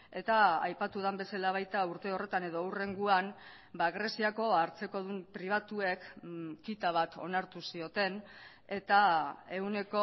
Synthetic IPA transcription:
e̞t̪aajpat̪uðambe̞salaβ̞ajt̪auɾt̪e̞o̞re̞t̪ane̞ðo̞ure̞ŋɡuan | baɣɾe̞siako̞aɾt͡se̞ko̞ðumpɾiβ̞at̪ue̞kkːit̪aβ̞at̪o̞̰naɾt̪usio̞t̪e̞n | e̞t̪ae̞une̞ko̞

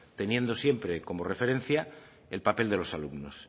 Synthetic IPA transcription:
t̪e̞nje̞nd̪o̞sje̞mpɾe̞ko̞mo̞re̞fe̞ɾe̞n̟θja | elpape̞ld̪e̞lo̞salumno̞s

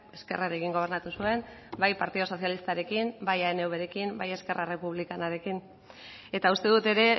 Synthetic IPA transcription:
e̞ske̞̰raɾe̞kiŋɡo̞β̞e̞ɾnat̪usue̞mbajpaɾt̪iðo̞so̞sjalist̪aɾe̞kimbajaene̞uβe̞ɾe̞kimbaje̞ske̞rare̞puβ̞likanaɾe̞kin | e̞t̪aust̪e̞ðut̪e̞ɾe̞

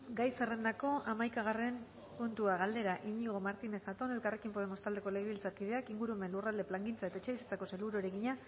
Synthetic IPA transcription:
ɡajse̞re̞nd̪ako̞amajkaɣare̞m | punt̪uaɣald̪e̞ɾaʔiɲiɣo̞maɾt̪ine̞sxat̪o̞ne̞lkare̞kimpoðemo̞st̪ald̪e̞ko̞le̞ɣeβilt͡saɾkiðe̞akiŋɡuɾueme̞nlurald̪e̞plaŋɡint͡sae̞t̪aet͡ʃe̞βisit͡sako̞seluɾoɾe̞ɣiɲa

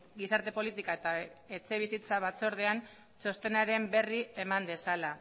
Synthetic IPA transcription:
ɡisaɾt̪e̞po̞lit̪ikae̞t̪ae̞t͡se̞β̞isit͡saβ̞at͡so̞ɾð̞e̞an | so̞st̪e̞naɾe̞mbe̞rie̞mand̪e̞sala

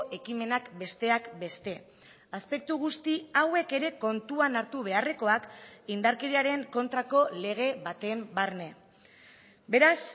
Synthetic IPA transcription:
ʔe̞kime̞nakbe̞st̪e̞akbe̞st̪e̞ | aspe̞k̚t̪uɣ̞ust̪iawe̞ke̞ɾe̞ko̞nt̪uanaɾt̪uβe̞are̞ko̞akind̪aɾke̞ɾiaɾe̞ŋko̞nt̪ɾako̞le̞ɣ̞e̞βat̪e̞mbarne̞ | be̞ɾas

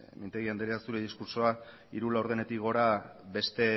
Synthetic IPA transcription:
mint̪eɣiand̪eɾeast̪uɾeðiskuɾso̞a | iɾulaoɾðe̞ne̞t̪ikɣo̞ɾabe̞st̪e̞

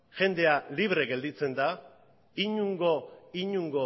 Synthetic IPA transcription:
ʝe̞nd̪e̞aliβ̞ɾe̞ɣe̞ld̪it͡se̞nd̪a | iɲuŋɡo̞iɲuŋɡo̞

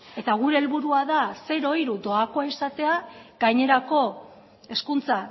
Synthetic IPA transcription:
e̞t̪aɣuɾe̞ːlβuɾuaðase̞ɾo̞iɾud̪o̞ako̞aisat̪e̞aɡ̥ajɲe̞ɾako̞ | e̞skunt͡sa

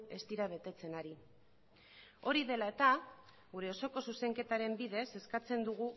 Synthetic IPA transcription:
e̞st̪iɾaβ̞e̞t̪e̞t͡se̞naɾi | o̞ɾiðe̞lae̞t̪a | ɣuɾe̞o̞so̞ko̞suse̞ŋke̞t̪aɾe̞mbiðe̞se̞skat͡se̞nd̪uɣ̞u

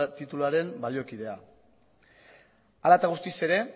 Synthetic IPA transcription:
t̪it̪ulaɾe̞mbaljo̞kiðe̞a | alat̪aɣ̞ust̪ise̞ɾe̞

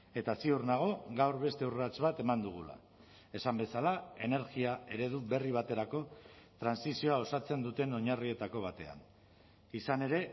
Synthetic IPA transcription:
e̞t̪asiurnaɣ̞o̞ɣawɾβe̞st̪e̞urat͡sβat̪e̞mand̪uɣ̞ula̰ | e̞sambe̞salae̞ne̞ɾɣiae̞ɾe̞ðuβe̞riβ̞at̪e̞ɾako̞t̪ɾansisio̞ao̞sat͡se̞nd̪ut̪e̞no̞ɲarie̞t̪ako̞β̞at̪e̞a̰n | isane̞ɾe̞

